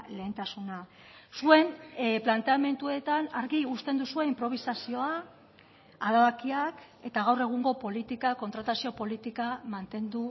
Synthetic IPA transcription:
le̞ːnt̪asuna | sue̞nplant̪e̞ame̞nt̪ue̞t̪anaɾɣiust̪e̞nd̪usue̞impɾo̞β̞isasio̞a | aðaβakiak | e̞t̪aɣawre̞ɣ̞uŋɡo̞po̞lit̪ikako̞nt̪ɾat̪asio̞po̞lit̪ikamant̪e̞nd̪u

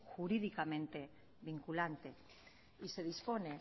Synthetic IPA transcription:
xuɾiðikamẽ̞nt̪e̞ | βiŋkulant̪e̞ | ise̞ð̞ispo̞ne̞

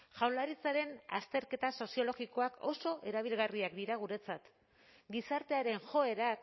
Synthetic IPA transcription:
ʝawlaɾit͡saɾe̞na̰st̪e̞ɾke̞t̪aso̞sio̞lo̞ɣiko̞ako̞̰so̞ʔe̞ɾaβ̞ilɣariakd̪iɾaɣ̞uɾe̞t͡sat̪ | ɡisaɾt̪e̞aɾe̞nʝo̞e̞ɾak

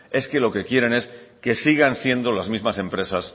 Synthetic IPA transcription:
e̞ske̞lo̞ke̞kje̞ɾe̞ne̞ske̞siɣ̞ansje̞nd̪o̞lazmizmase̞mpɾe̞sas

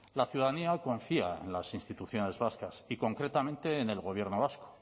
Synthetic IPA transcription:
laθjuðaðaniako̞ɱfia̰e̞̰nlasinst̪it̪uθjo̞ne̞zβaskasiko̞ŋkɾe̞t̪amẽnt̪e̞ːne̞lɣo̞β̞je̞ɾnoβasko̥

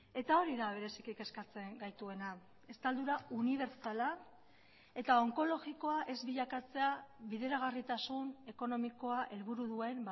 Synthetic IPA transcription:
e̞t̪ao̞ɾiðaβ̞e̞ɾe̞sikike̞skat͡se̞ŋɡajt̪ue̞na | e̞st̪ald̪uɾauniβ̞e̞ɾsala | e̞t̪ao̞ŋko̞lo̞ɣiko̞aʔe̞zβiʎakat͡se̞aβiðe̞ɾaɣ̞arit̪asune̞ko̞no̞miko̞aʔe̞lβuɾuðue̞m

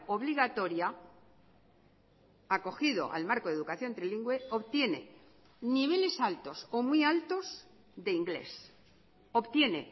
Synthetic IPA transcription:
o̞β̞liɣat̪o̞ɾja | ako̞xiðo̞̰ʔa̰lmaɾko̞ðe̞ðukaθjo̞nt̪ɾiliŋɡwe̞oβt̪je̞ne̞̰ | niβ̞e̞le̞salt̪o̞somwialt̪o̞s | d̪e̞iŋɡle̞̰s | o̞βt̪je̞ne̞

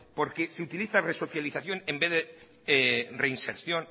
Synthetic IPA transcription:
poɾkeseut̪iliθareso̞θjaliθaθjonẽmbeðe | reinseɾθjon

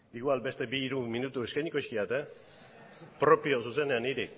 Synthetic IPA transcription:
iɣualbe̞st̪e̞biːɾuminut̪ue̞skajɲiko̞jskiat̪e | pɾo̞pio̞suse̞ne̞aniɾi

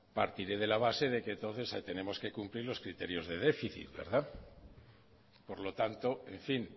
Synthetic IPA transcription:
paɾt̪iɾe̞ð̞e̞laβ̞ase̞ðe̞kent̪o̞n̟θe̞sat̪e̞ne̞mo̞ske̞kumpliɾlo̞skɾit̪e̞ɾjo̞zðe̞ðe̞fiθḭt̪̚be̞̰ɾða | po̞ɾlo̞t̪ant̪o̞e̞ɱfin

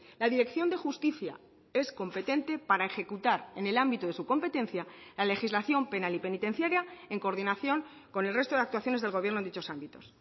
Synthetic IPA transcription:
laðiɾe̞kθjo̞nd̪e̞xust̪iθja̰ | e̞sko̞mpe̞t̪e̞nt̪e̞paɾae̞xe̞kut̪aɾe̞ne̞lambit̪oðesuko̞mpe̞t̪e̞n̟θjalale̞xizlaθjo̞mpe̞nalipe̞nit̪ẽ̞n̟θjaɾjaeŋko̞ɾðinaθjo̞ŋ | ko̞ne̞lre̞st̪o̞ðeakt̪waθjo̞ne̞zðe̞lɣ̞o̞βjɾnonit͡ʃo̞sambit̪o̞s

